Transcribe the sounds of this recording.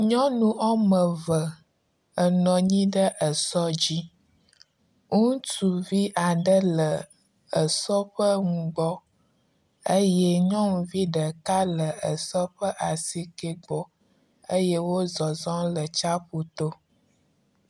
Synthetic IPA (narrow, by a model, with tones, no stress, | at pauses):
ɲɔ̃˦nũ˦ʔɔ˦mə˨və˨ | ə˨nɔ̃˨ɲĩ˦ɖə˦ʔə˨sɔ˦d͡ʑi˦ | ŋũ˦tu˨vi˦ʔa˨ɖə˦lə˨ | ə˨sɔ˦ɸə˦ŋũ˨ɡ͡bɔ˦ | ə˦jɛ˦ɲɔ̃˦ŋũ˨vi˦ɖə˨ka˦lə˨ə˨sɔ˦ɸə˦ʔa˨si˦ke˦ɡ͡bɔ˦ | ə˦je˦wo˦zɔ˨zɔ̃˦lə˨t͡ʃa˦ɸu˦t̪o˦